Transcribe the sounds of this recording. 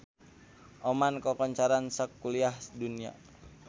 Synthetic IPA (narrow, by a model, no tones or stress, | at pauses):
ʔɔmankɔkɔɲt͡ʃaɾansəkːuliahdunia̰